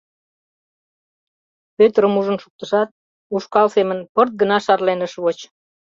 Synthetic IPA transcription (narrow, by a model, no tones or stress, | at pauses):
pøt̪əɾəmuʒənʃuk̚t̪əʃɑt̪̚ | uʃkɑlsemənpərt̪̚ɡənɑʃɑrlenəʃβot͡ɕ